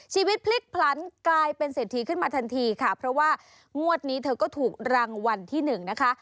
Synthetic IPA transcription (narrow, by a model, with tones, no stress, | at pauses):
t͡ɕʰiː˧wi˦t̪̚pʰli˦˥k̚pʰla˦˥nklaː˧jpe˧nseː˨˩t̪ʰːiː˦˧kʰɯ˥˩nmaː˧t̪ʰa˧nt̪ʰiː˧kʰa˥˩pʰɾɔ˦˥waː˥˩ | ŋu˥˩ət̪̚niː˦˥t̪ʰɤː˧kɔː˥˩t̪ʰuː˨˩k̚ɾaː˧ŋwa˧nt̪ʰiː˥˩nɯ˨˩ŋna˦˥kʰa˦˥ʔ